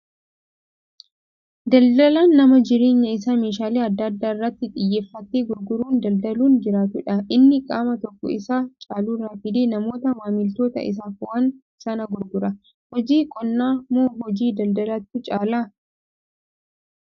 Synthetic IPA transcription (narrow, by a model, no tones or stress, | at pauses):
d̪ɐld̪ɐlaːnːɐmɐd͡ʒɪɾeːɲːɐɪs̬ameːʃaːleːɐd̪ːaːd̪ːaːɪrːɐt̪ːɪᶑ̪ʼɪjːeːfːɐt̪ːeːɡʊɾɡʊɾuːnd̪ɐld̪ɐluːnd͡ʒɪɾaːt̪ʊᶑɐʔɪnːɪkʼaːmɐt̪ɔkːɔ̰ɪsat͡ʃʼaːluːraːfɪd̪eːnɐmo̞ːt̪ɐmaːmɪlt̪o̞ːt̪ɐ̰ɪ̰s̬aːfʊʔɐn | sɐnɐɡʊɾɡʊɾɐ | hɔd͡ʒiːkʼɔnːaːmoːɦɔd͡ʒiːd̪ɐld̪ɐlat̪ːʊt͡ʃʼaːlaː